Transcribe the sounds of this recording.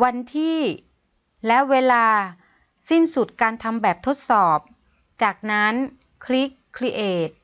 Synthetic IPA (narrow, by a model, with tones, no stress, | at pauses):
wa˧nt̪ʰiː˥˩ | lɛ˦˥weː˧laː˧ | si˥˩nsu˨˩t̪̚kaː˧nt̪ʰa˧mbɛː˨˩p̚t̪ʰo˦˥t̪̚sɔː˨˩p̚ | t͡ɕaː˨˩k̚na˦˥n | kʰli˦˥kʰːli˦˥ʔeː˨˩t̪̚